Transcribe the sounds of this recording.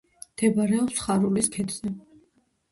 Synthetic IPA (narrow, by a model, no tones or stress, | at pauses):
md̪̥ɛbaɾɛɔpsχaɾuliskʰɛd̪zɛ